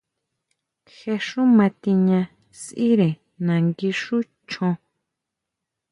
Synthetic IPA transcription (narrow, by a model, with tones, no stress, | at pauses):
xe˧ʂũ˦mã˧t̪i˧ɲã˧ | si˦ɾe˨ | nã˨ŋɡi˧ʂu˦ | t͡ʃʰõ˧